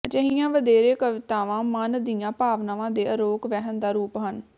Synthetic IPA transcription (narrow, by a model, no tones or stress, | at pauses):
d͡ʒəɦɪjãːʋəd̪eːɾeːkəʋɪt̪aːʋãːmənd̪ɪjãːpaːʋnaːʋãːd̪eːʔəɾoːɡʋɛːɦənd̪aːɾuːpɦən